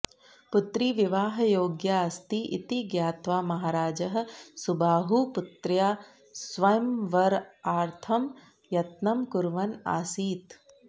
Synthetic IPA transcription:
put̪ɾiːʋiʋaːɦɐjoːɡjaːɐst̪iʔḭt̪iɡjaːt̪ʋaːmɐɦaːɾaːd͡ʒɐɦɐ̆subaːɦuput̪ɾjaː | sʋɐjɐmʋɐɾaːɾt̪ʰɐm | jɐt̪nɐmkuɾʋɐna̰ːsiːt̪

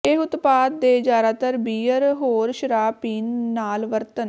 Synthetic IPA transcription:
eɦʊt̪paːd̪̚ːeːd͡ʒaːɾaːt̪əɾbiːəɾɦoːɾʃəɾaːpiːnːaːlʋəɾt̪ən

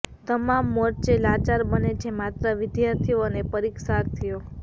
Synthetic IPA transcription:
t̪əmamːɔɾt͡ʃelat͡ʃaɾbənet͡ʃʰemat̪ɾəʋɪd̪jaɾt̪ʰioənepəɾikʃaɾt̪ʰijo

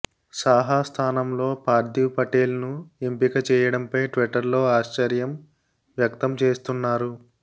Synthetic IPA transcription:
saːɦast̪ʰaːnɐmlo̞ːpaːɾd̪jiwpɐʈeːlnuempikɐt͡ʃɛːjɐɽɐmpɐjʈʋiʈɐɾlo̞ːaːʃt͡ʃɐɾjɐm | ʋjɐkt̪ɐmt͡ʃeːst̪unːaːɾu

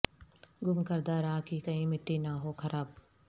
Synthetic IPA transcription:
ɡʊmkɐɾd̪aːɾaːkikɐĩmɪʈːinɐɦoːkʰɐɾaːb

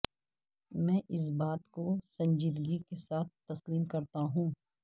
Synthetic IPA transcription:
mɛ̃ːʔɪs̬baːt̪kosɐ̃ɲd͡ʒiːd̪ɡikesaːt̪̚ʰt̪ɐsliːmkɐɾt̪aɦũː

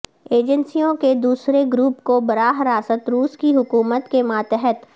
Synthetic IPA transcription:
eːd͡ʒənsijõked̪uːsɾeɡɾuːpkobɐɾaːɦɾaːsət̪ɾuːskiɦʊkuːmət̪kemaːt̪ɛɦɛt̪

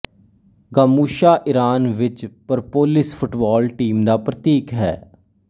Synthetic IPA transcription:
ɡaːmuːʃaːʔɪɾaːnʋɪt͡ʃpəɾpoːlɪspʰʊʈbaːlʈiːmd̪aːpɾət̪iːkɦɛ̰ː

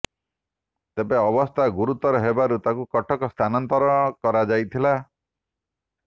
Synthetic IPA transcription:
t̪ebeɔbɔst̪ʰaɡuɾut̪ɔɾɔɦebaɾut̪akukɔʈʰɔkɔst̪ʰanɔnt̪ɔɾɔɔkɔɾad͡ʒajt̪ʰila

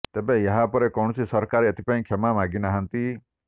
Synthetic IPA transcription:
t̪ebejɐɦapɔɾekɔwɽ̃ɔsisɔɾkaɾeət̪ʰi̥paĩkʰemamaɡinaɦənt̪i

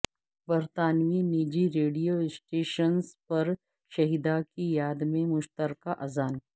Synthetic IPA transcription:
bɐɾt̪aːnʋiniːd͡ʒiɾeːɖijoɪsʈeːʃənspɐɾ | ʃɐɦid̪akijaːd̪mẽmʊʃt̪əɾkaʔɐzaːn

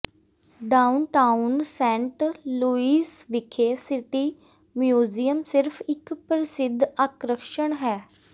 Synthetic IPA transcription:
ɖaːʊnʈaːʊnsɛ̃ːɳʈluːiːsʋɪkʰeːsɪʈiː | mjuːzijəmsɪɾfʰɪkpɾɪsɪd̪ʱaːkɾəkʃəɳɦɛː

